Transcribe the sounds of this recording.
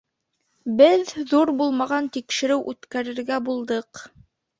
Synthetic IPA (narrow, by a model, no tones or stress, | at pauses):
bɘðːuɾbulˠmɑʁɑnt̪ikʃɘ̆ɾɘwʔʉt̪kæɾɘ̆ɾɡæbulˠd̪ɤq